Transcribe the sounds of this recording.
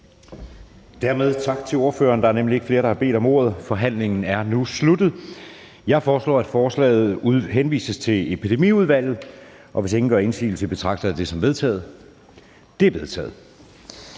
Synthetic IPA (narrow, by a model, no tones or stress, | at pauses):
d̥æɐ̰með̞ˠt͡sʰɑ̈ɡ̥̚t͡sʰe̝lo̝ɐfø̰ːɐːnd̥ɑ̈æɐnemlie̝ɡ̥fle̝ːɐɾ̥ɑ̈hɑ̈be̝̰ːd̥ɒ̽mo̝ɐð̞̩ˠfɒ̽ɦæn̰le̝ŋn̩æɐnuslud̥ð̩ˠ | jɑ̈ɪfɒːslɒ̰ːæd̥fɒːslɛ̰ːð̞̩ˠuɦenʋḭːsəst͡sʰe̝le̝pʰid̥e̝mḭːuð̞ˠʋæl̰ð̩ˠ | ʔɒ̽ʋe̝se̝ŋn̩ɡ̥ɶ̰ɐːensḭːl̩sʰe̝b̥e̝t͡sʰʁɑ̈ɡ̥d̥ɐd̥e̝sɒ̽mʋe̝ðˠt͡sʰɛ̰ːð̞̩ˠ | d̥e̝ɐb̥e̝ð̞ˠt͡sʰɛ̰ːð̩ˠ